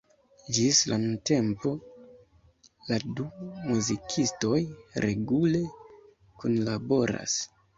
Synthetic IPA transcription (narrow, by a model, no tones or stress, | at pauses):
d͡ʒislanunte̞mpo̞ | ladumuzikʰisto̞jɾe̞ɡule̞ | kunlabo̞ɾa̰s